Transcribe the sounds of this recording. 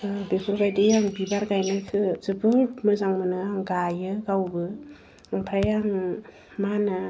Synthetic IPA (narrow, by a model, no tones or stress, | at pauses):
besʰɔɾɡajdɯjaŋbibaɾɡajnasʰɯzɯbɯŋtmɯzaŋmɯnɯaŋɡajɯɡawbɯ | aŋpʰajaŋ | mana